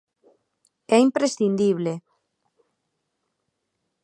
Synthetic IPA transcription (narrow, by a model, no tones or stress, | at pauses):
ɛimpɾesθind̪iβ̞le